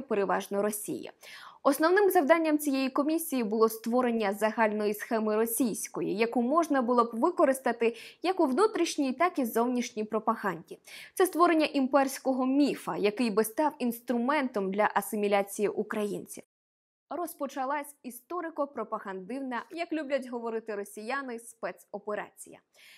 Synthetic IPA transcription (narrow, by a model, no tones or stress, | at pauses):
peɾeʋɑʒnɔɾɔsʲḭjɐ̰ɔsnɔwnɪmzɐwd̪ɑnʲːɐmt͡sʲijejikɔmʲisʲijibʊlˠɔst̪ʋɔɾe̞nʲːɐzɐɦɑlʲnɔjisxɛmɪɾɔsʲijsʲkɔjḭjɐkumɔʒnɐbʊlˠɔbʋɪkɔɾɪst̪ɐt̪ɪjɐkʊʋnut̪ɾʲiʃnʲijt̪ɑkizɔwnʲiʃnʲijpɾɔpɐɦɑnʲdʲit̪sɛst̪ʋɔɾenʲːɐʔimpɛrsʲkɔɦɔmʲifɐjɐkɪjbɪst̪ɑwinst̪ɾʊmɛnt̪ɔmd̪lʲɐʔɐsɪmʲilʲat͡sʲijiʔukɾɐjinʲt͡sʲiw | rɔspɔt͡ʃɐlˠɑsʲist̪ɔɾɪkɔpɾɔpɐɦɐnd̪ɪwnɐjɐklʲubʲlʲɐtʲɦɔʋɔɾɪt̪ɪɾɔsʲijanɪspɛt̪sɔpeɾɑ̰t͡sʲḭjɐ̰